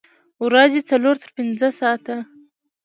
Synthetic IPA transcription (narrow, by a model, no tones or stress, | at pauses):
wɾazet͡saloɾt̪ʰəɾpɪnzəsɑt̪a